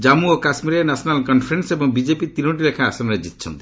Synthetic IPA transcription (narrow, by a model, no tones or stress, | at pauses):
d͡ʒamuokasmiɾenasʰɔnalkɔnpʰɾensebɔŋbid͡ʒepit̪inoʈilekʰaːsɔmɾed͡ʒit̪̚t͡ʃʰɔ̰nt̪i̥